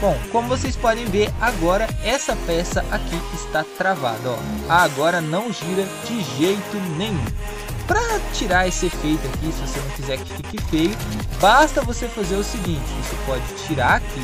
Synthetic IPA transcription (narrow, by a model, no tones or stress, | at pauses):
b̥õw̃kõmʊvosejspɔd̪ẽj̃veɾaɡɔɾɐɛsɐpɛsɐʔakiɪst̪at̪ɾava̰d̪ɐɔ̰ɐːɡɔɾɐnɐ̃w̃ʒiɾɐ | d͡ʒɪʒejt̪ʊnẽj̃ũ | pɾɐt͡ʃiɾaɾesɪefejt̪ʊakisɪvosenɐ̃w̃kizɛɾkɪ̥kɪkɪfejʊbast̪ɐvosefazeɾʊsɪɡĩnt͡ʃɪisʊpɔd͡ʒɪt͡ʃiɾaɾakʰi